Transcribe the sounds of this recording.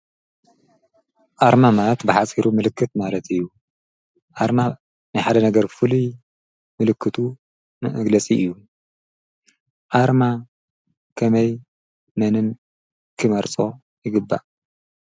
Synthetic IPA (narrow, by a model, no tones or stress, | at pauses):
ʔaɾmamalɐt̪bɨħasʼiɾumɨlɨkʰːɨt̪malɐt̪ɨjːu | ʔaɾma | nɨħad̪ɐnɐɡɐɾfɨluj | mɨlɨkʰːɨt̪ʰu | mɐɐɡlɐt͡sʼiʔɨjːu | ʔaɾma | kʰɐmɐj | mɐnɨn | kʰɨmɐɾt͡sʼo̞ | jɪɡɨbːa̰ʔ